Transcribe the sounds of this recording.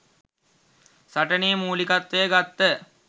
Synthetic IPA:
sɐʈɐneəmuːlikɐt̪ːəjəɡat̪ːə

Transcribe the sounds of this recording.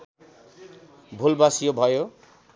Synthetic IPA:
bʱulbasijobʱʌjo

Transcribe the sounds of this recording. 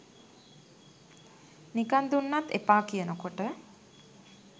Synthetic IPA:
nikand̪unːat̪ːepaːkijənəkoʈə

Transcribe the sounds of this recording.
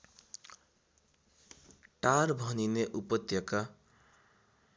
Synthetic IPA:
ʈaɾbʱʌnineʔupʌt̪jʌka

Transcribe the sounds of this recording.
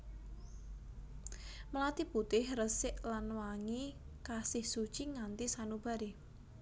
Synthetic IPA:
məlat̪iput̪ɪhrəsɪʔlanwaŋi | kasɪhsu̥t͡ʃiŋant̪isanub̥a̤ɾe

